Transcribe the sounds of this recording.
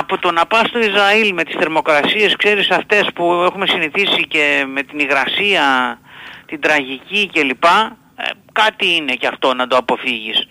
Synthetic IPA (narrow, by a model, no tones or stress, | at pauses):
ɐpot̪o̞nɐpɐst̪o̞izɾɐilme̞t̪i̥sθe̞ɾmo̞kɾɐsie̞skse̞ɾisɐft̪e̞spue̞xume̞siniθisice̞me̞t̪iniɣɾɐsiɐ | t̪id̪ɾɐʝicice̞lipɐ̰ | kɐt̪iine̞ceɐft̪o̞nɐd̪o̞ɐpo̞fiʝis